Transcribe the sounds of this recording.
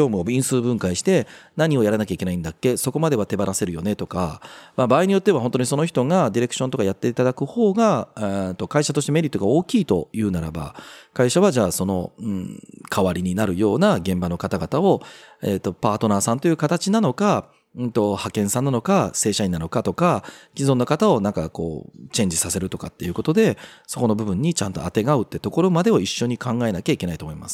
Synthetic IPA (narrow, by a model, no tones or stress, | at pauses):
o̞ːmɯ̟oĩɰ̃sɨːbɯ̟̃ŋkaiɕi̥t̪e̞naɲ̟io̞jaɾanakʲaikʲe̞naĩnd̪akːe̞so̞ko̞mad̪e̞β̞at̪e̞baɾase̞ɾɯ̟jo̞ne̞t̪o̞ka̰mabaːiɲ̟ijo̞t̪ːe̞βaɦõ̞nt̪oɲiso̞no̞çi̥t̪o̞ŋad̪ʲiɾe̞kɯ̥ɕont̪o̞kajat̪ːe̞it̪ad̪akɯ̟ho̞ːɡat̪ːo̞kaiɕat̪o̞ɕit̪eme̞ɾit̪ːoɡao̞ːkʲiːt̪o̞jɯ̟ːnaɾa̰ba̰kaiɕaβaʑaːso̞no̞ɯ̃kʰaβaɾʲiɲ̟inaɾɯ̟jo̞ːnaɡẽ̞mbano̞kat̪aɡat̪ao̞et̪ːo̞paːt̪o̞naːsãnt̪o̞jɯ̟ːkat̪at͡ɕinano̞kã | t̪o̞hakẽ̞ɰ̃sãnːano̞kase̞ːɕaĩnano̞kat̪o̞kakʲizõ̞nːokat̪ao̞nãŋkako̞̰ːt͡ɕẽ̞ɲ̟d͡ʑisase̞ɾɯ̟t̪o̞kat̪ːe̞jɯ̟kot̪o̞d̪e̞so̞ko̞no̞bɯ̟bɯ̟̃ɲ̟ːit͡ɕãnt̪o̞̰at̪e̞ɡaɯ̟t̪ːe̞t̪o̞ko̞ɾo̞mad̪e̞o̞iɕːo̞ɲ̟ikãŋɡae̞nakʲaikʲe̞nait̪o̞mo̞ima̰sɨ̥